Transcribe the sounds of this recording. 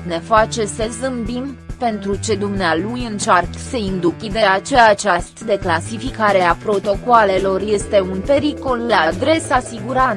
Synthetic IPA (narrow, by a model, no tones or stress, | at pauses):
ne̞fat͡ʃe̞səzɨmbimpe̞nt̪ɾut͡ʃe̞d̪umnealujɨnt͡ʃarksəind̪ukʲid̪e̞at͡ʃe̞at͡ʃast̪d̪e̞klasifikaɾe̞apɾo̞t̪o̞koale̞lo̞rje̞st̪e̞unpe̞ɾiko̞lːaad̪ɾe̞sasiɡuɾan